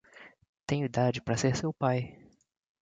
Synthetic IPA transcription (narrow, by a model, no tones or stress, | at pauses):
t̪ẽj̃ʊid̪ad͡ʒɪpɾɐseɾsewpaj